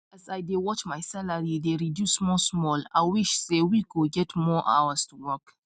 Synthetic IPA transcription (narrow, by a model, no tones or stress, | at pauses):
azaɪdewɔt͡ʃmaɪsalaɹideɹidjusmɔsmɔla̰ɪwiʃsewikoɡɛtmɔʔa̰wəstʰuwɔk